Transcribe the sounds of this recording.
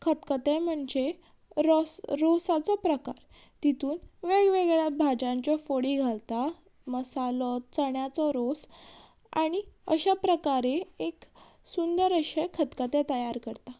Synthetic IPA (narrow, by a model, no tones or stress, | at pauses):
kʰət̪kət̪ẽm̤əɳd͡ʑe | ɾɔsɾosat͡sɔpɾəkaɾ | t̪it̪uːnʋeɡʋeɡɭjabʱad͡ʑãɲt͡ɕɔfoɽiɡʱalt̪a | məsalɔt͡səɳjat͡sɔɾos | a̰ɽ̃iə̰ɕapɾəkaɾeek | sund̪əɾəɕekʰət̪kət̪et̪əjaɾkəɾt̪a